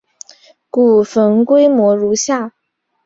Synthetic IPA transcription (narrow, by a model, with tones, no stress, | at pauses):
ku˨˩fə˧˥nkwe˥ɪmwɔ˧˥ɻu˧˥ɕja˥˩